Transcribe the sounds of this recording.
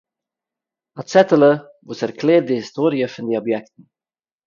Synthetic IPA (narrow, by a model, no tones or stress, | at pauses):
asɛtələ | vuːsɛrkʰleːr̚dəhistoːɾiəfəndəɔbjɛktn̩